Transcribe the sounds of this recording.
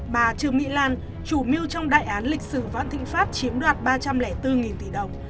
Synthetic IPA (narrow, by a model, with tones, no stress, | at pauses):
ɓaː˨˩t͡ɕɨ˨˩əŋḭ˧˥laː˧˩n | t͡ɕu˧˩mi˧əwt͡ɕɔ˧wŋ͡mɗa̰ː˧˨jʔaː˨˦nlï˨˩k̟̚sɨ˧˩və̰ː˧˨nt̪ʰḭ˧˨ŋ̟faː˦˥t̚t͡ɕi˨˦əmɗwaː˨˩t̚ɓaː˧t͡ɕa˧mlɛ˧˩t̪ɨ˧ŋi˨˩nt̪i˧˩ɗə˨˩wŋ͡m